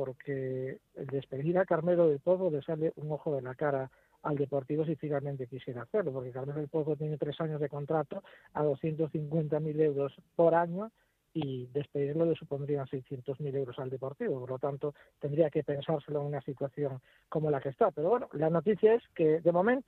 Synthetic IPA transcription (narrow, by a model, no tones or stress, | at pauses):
poɾkʰeḛld̪e̞spe̞ðiɾakaɾmeɾoðe̞lpoðβolesaleʔuŋoxoðelakaɾa | ald̪epo̞ɾt̪iβosifinalmẽnt̪e̞kisje̞ɾaːθeɾlopoɾkekaɾmeloelpoðβot̪jenet̪ɾesaɲozð̞eko̞nt̪ɾat̪oa̰ð̞osθje̞nt̪osθiŋkwe̞nt̪amilewɾospoɾaɲo | iðe̞speðiɾlolesupond̪ɾiaŋsejsθje̞nt̪ozmilewɾosald̪epo̞ɾt̪iβopoɾlot̪ant̪o | t̪end̪ɾiakepe̞nsaɾseloeŋunasit̪waθjoŋ | ko̞molakest̪ape̞ɾoβwenolanot̪iθjaesked̪emõ̞mẽnt̪o